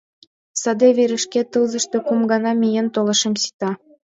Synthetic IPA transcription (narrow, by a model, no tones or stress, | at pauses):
sɑd̪eβeɾɘ̆ʃket̪ɯlzɤ̆ʃt̪ŏkumɡɑnɑmʲijent̪olɤ̆ʃɤ̆msi̥t̪ɑ